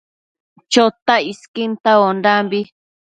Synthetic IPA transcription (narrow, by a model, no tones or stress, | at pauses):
t͡ʃot̪aiskint̪aondambi